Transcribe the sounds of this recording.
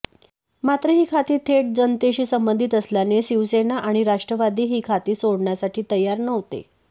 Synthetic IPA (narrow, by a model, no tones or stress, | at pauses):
mat̪ɾəɦiːkʰat̪iːt̪ʰːeʈ̚d͡zənt̪eɕiːsəmbənd̪ʱit̪əsljaneɕiʋsenaʔaɽ̃iɾaʂʈɾəʋad̪ʱiːɦiːkʰat̪iːsoɽɳjasaʈʰiːt̪əjaɾnəʋt̪ḛ